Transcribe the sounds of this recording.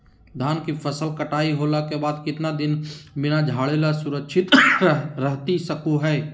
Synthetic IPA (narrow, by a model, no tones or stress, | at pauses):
d̪ʱaːnkifʰɐsəlkɐʈaːiɦoːlakebaːd̪kɪt̪nad̪ɪnbɪnad͡ʒʱaːɭeːlasʊɾəkʃʰɪt̪ɾɐɦt̪isɐkoɦɛː